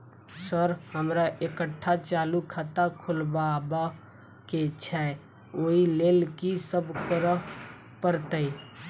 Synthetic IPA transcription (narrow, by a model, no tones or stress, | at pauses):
səɾhəmɾaʔekəʈʰːat͡ʃalukʰat̪akʰulbaba | ket͡ʃʰɛ | oilelkisəbʱkəɾə | pəɾt̪əi